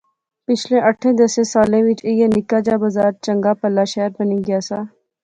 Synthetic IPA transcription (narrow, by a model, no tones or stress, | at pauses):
pɪt͡ʃʰlẽʔɐʈʰːẽd̪ɐsẽsaːlẽʋɪt͡ʃejenɪkaːd͡ʒaːbɐzaːɾt͡ʃɐ̃ŋɡapɐlːaːʃɛːɾbəniɡɪjaːsaː